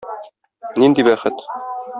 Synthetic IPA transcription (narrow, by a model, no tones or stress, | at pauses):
nind̪ibæχɘt̪